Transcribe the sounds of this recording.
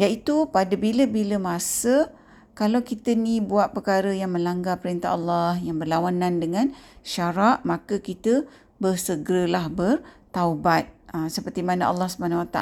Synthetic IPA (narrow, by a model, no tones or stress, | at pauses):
jait̪upadəbiləbiləmasə | kalawkit̪ənibuaʔ̪̚pəkaɾəjaŋmə̃nlaŋɡapəɾint̪a̰ɦɑlːahjaŋbərlawanãndəŋãnʃaɾaʔmakəkit̪ə | bərsəɡɾəlahbərt̪aubat̪̚əmsəpərt̪imanəʔɑ̰lːɑhsəbanawat̪a